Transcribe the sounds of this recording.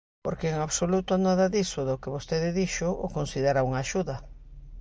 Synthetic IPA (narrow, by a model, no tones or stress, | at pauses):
poɾkeːŋaβsolut̪ʊnaðɐðisʊðʊkeβost̪eðɪðiʃʊʊ̰konsiðeɾauŋaːʃuðɐ